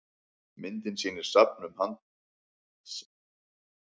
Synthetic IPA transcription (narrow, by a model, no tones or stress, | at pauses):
mɪnt̪ɪnsiːnɪɾ̥sap̚nʏmhan | s